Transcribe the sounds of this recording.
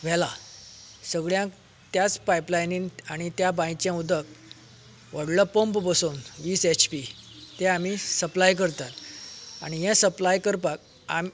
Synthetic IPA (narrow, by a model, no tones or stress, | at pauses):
ʋ̤ɛla | səɡɭjãk | t̪jat͡spajplajninaɽ̃it̪jabãjt͡ɕjãud̪ʱək | ʋəɽləpompbəsonʋiːset͡ɕpi | t̪eamisəplajk̬əɾt̪at̪a̰ɽ̃ijɛ̃səplajkəɾpak̚ | am